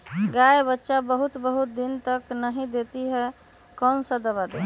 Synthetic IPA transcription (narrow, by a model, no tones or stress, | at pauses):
ɡaebətːʃabəɦut̪bəɦut̪̚d̪int̪əknəɦĩd̪et̪iɦɛ | kənsə̃d̪əβad̪e